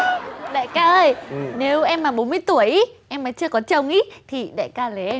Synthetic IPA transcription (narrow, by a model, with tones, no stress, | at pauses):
ɗa̰˧˨jkaː˧ʔəː˧jne˨˦wʔɛ˧mːaː˨˩ɓo˨˦nmɨ˧əjt̪u˧˩əjʔi˦ʔɛ˧mːa˨˦jt͡ɕɨ˧əkɔ˨˦t͡ɕə˧˩wŋ͡mʔi˧˦t̪ʰi˨˩ɗa̰ː˧˨jkaː˧le˨˩ʔɛ˧